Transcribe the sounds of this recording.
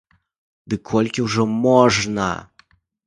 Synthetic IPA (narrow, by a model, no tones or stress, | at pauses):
d̪ɨkʰɔlʲkʲiwʐɔmɔʐnɐ̰